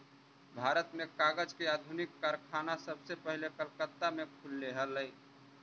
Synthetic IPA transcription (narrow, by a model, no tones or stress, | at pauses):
bʱaːɾət̪mẽkaːɡəd͡ʒkeaːd̪ʱunɪkːaɾkʰaːnasəbsepəɦlekəlkət̪ːamẽkʰʊlːeɦələj